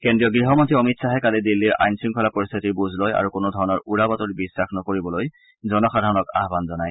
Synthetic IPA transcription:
kendɹijɔɡɹiɦɔmɔntʰiɔmitsʰaɦɛkalidilːiɹa̰jnsunkʰɔlapɔɹist̪ʰitiɹbuzʱlɔja̰ɹukonodʱɔɹɔnɔɹuɹabɔtɔɹbisːaxnɔkoɹibɔloj | zɔnɔxadʱaɹɔnɔka̰ɦbanzɔnaj

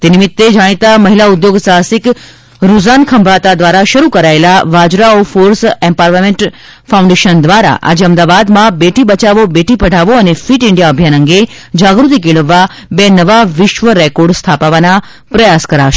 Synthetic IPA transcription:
t̪enimɪt̪ːed͡ʒaɽ̃it̪aməɦilaʊd̪joɡsasik | ɾuzankʰəmbʱat̪ad̪ʋaɾaʃəɾukəɾaelaʋad͡ʒɾaofoɾsɛmpaɾʋameɳʈ | faũɳɖeʃənd̪ʋaɾa̰ʔa̰d͡ʒeəmd̪aʋad̪mãbeʈibət͡ʃaʋobeʈipəɽ̤ʱaʋoənefiʈɪɳɖijaəbʱjanəŋɡe | d͡ʒaɡɾut̪ikeɭəʋːa | benəʋaʋɪʃʋəɾɛkɔɾɖst̪ʰapaʋana | pɾəjaskəɾaʃe

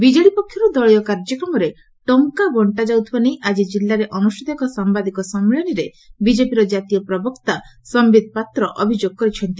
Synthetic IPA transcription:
bid͡ʒɔɭipɔkʰːjɔɾud̪ɔɭjɔkaɾd͡ʒɔkɾɔmɔɾe | ʈɔŋkabɔɳʈad͡ʒawt̪ʰibanejʔad͡ʒid͡ʒilːaɾeʔɔnusʈʰit̪ɔkɔsambad̪ikɔsɔmːiɭɔniɾe | bid͡ʒepiɾɔd͡ʒat̪ijɔpɾɔbɔkt̪asɔmbid̪̚ʱpat̪ɾɔʔɔbʱid͡ʒoɡ̚kɔɾit͡ʃʰɔnt̪i

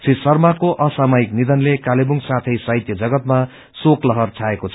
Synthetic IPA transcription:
t͡sʰisʌrmakoʔʌsamʌiknid̪ʌnlekalebuŋɡsat̪ʰʌjsʌɦit̪jʌd͡zʌɡʌt̪ma | soklʌɦʌrt͡sʰaekot͡sʰ

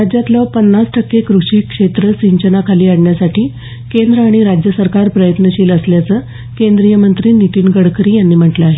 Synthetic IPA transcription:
ɾad͡ʑjat̪lɔpənːasʈʰəkːekɾuʂiːkʂet̪ɾəsiɲt͡ɕənakʰaliːaɽɳjasaʈʰiː | kend̪ɾəaɽ̃iɾad͡ʑjəsəɾkaɾpɾəjət̪nəɕiːləsljat͡səː | kend̪ɾijəmənt̪ɾiːnit̪iːnɡəɽkɾiːjanːiːm̤əʈləaɦe

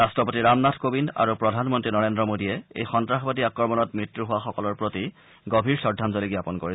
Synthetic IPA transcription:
astɔpotiɹamnatʰkobinda̰ɹupɹɔdʱanmɔntɹinɔɹendɹɔmodiɛḛjxɔntɹaxbadiakɹɔɹmɔnɔt̚mɹitːɹuɦʊwaxɔkɔlɔɹpɹoti | ɡobʱiɹsɔɹdʱːanzɔliɡjapɔnkoɹi

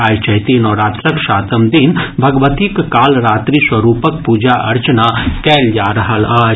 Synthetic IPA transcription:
aːjt͡ʃɐɦt̪inɔːɾaːt̪ɾəkʃaːt̪əmd̪inbʱɐɡʋət̪ikːaːlɾaːt̪ɾiswɐɾuːpək̚puːd͡ʒaʔɐɾt͡ʃənakɛːljaːɾɐɦəla

